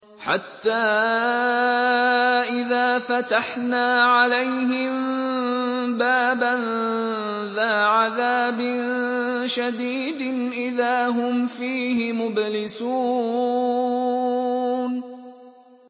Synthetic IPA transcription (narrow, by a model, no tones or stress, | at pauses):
ħa̰t̪ːaː | ʔɪðaːfat̪aħnaːʕalajɦɪm | baːban | ðaːʕaðaːbɪnʃad̪iːd̪ʔɪðaːɦʊmfiːɦɪmʊblɪsuː | n